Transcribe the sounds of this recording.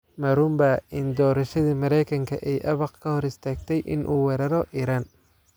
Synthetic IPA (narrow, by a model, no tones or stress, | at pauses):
mɐɾʊmbaʔɪnd̪ɔːɾɐʃɐðiːmɐɾɛjkʰɐŋkʰɐ̰ʔɛjʔɐβɐqkʰɐhɔɾɪst̪ʰaːɡ̚t̪ʰɛjʔɪ̰nʔuːwɛɾɐɾɔʔiːɾaːn